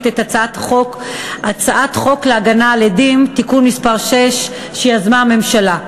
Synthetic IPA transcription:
t̪etat͡saat̪χokʔat͡saʔatχo̞kleaɡanaːledimtikunmispaʁʃeʃ | ʃejazmaame̞mʃala

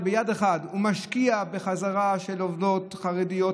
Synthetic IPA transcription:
bejad̪eχad̪humaʃkiabeχazaʁaʃe̞lovdo̞tχaʁed̪ijo

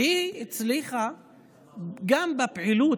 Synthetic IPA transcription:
hiit͡sliχa | ɡambapʕilu

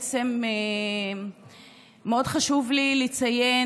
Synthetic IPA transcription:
t͡se̞me | eo̞dχaʃuvlilit͡saje̞

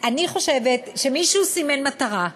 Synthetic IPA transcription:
ʔaniχo̞ʃevetʃemiʃusimenmataʁa

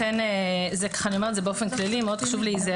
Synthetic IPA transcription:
enezekḁχanio̞metzebeofenklalimeod̪χaʃuvliize

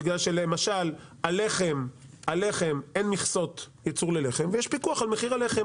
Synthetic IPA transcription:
iɡlalʃelemaʃalale̞χemale̞χe̞menmiχso̞t̪ | jat͡suʁlele̞χe̞mvejeʃpikuaχalmeχiʁale̞χem

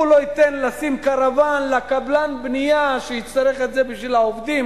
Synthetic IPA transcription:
ulo̞it̪enlasimkaʁavanlakablanbnijaʃeitt͡st̪aʁeχet̪ze̞biʃvilhaovd̪im

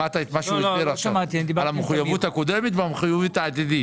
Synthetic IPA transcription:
at̪aet̪maʃuieɾaʃamat̪iaidialameχujavut̪hakod̪emet̪veameχijuvit̪aat̪id̪i

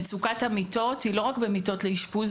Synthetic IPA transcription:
t͡sukathamito̞thiloʁakbemito̞tleiʃpuz

